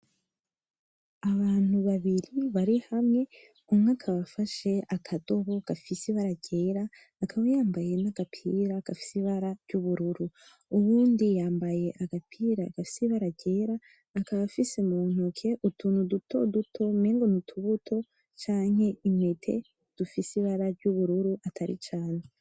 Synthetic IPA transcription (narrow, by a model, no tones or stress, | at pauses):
aβaːn̥huβaβiɾiβaɾihamŋe̞ | umŋaːkʰaβafaʃe̞akʰado̞βo̞ɡ̥afisiβaɾaɟe̞ɾaː | kʰaβajaːmbaje̞naɡ̥apʰiɾaɡ̥afi̥siβaɾaɾɟuβuɾuɾu | uβuːndijaːmbaje̞ʔaɡapʰiːɾaɡ̥afisiβaɾaɟe̞ːɾaː | kaβafise̞mun̥ukʰe̞ʔutʰuːnudutʰo̞̰dutʰo̞meːŋɡonutʰuβutʰo̞ | t͡ʃaːɲhe̞imetʰe̞̰ | d̥ufisiβaɾaɾɟuβuɾuɾuʔatʰaɾḭt͡ʃaːne